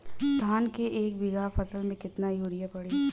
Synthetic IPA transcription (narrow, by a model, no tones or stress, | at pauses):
d̪ʰaːnkeʔeːk̚bɪɡaːfɐsəlmẽkɪt̪najuːɾijapɐɽeː